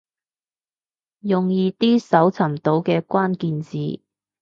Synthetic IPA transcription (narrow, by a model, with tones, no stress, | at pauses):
jʊ˨ŋjiː˨˧t̪iː˥sɐ˨˥wt͡sʰɐ˨˩mt̪o˨˥wkɛː˧kʷaː˥nkiː˧nt͡siː˨˩